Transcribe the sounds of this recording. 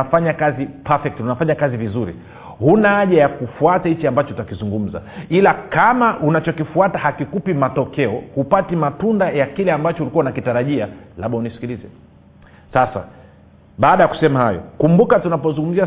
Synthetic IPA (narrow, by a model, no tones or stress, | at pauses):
afaɲakazipafɛk̚tunafaɲakazivizuɾḭ | hunaaʄajakufuatahit͡ʃiambat͡ʃɔutakizuŋɡum̩za̰ilakamaʔunat͡ʃɔkifuatahakikupimatɔkɛɔhupatimatundajakilɛambat͡ʃɔulikuaunakitaɾaʄialaɓaunisi̥kilizɛ̰ | sasa̰ | ɓaːɗajaku̥sɛmahajɔ̰kumbukatunapɔzũŋɡum̩zia